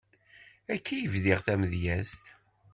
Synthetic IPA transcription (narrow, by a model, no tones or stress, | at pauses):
ækʰːijəvðɪʁθæməðjæst̪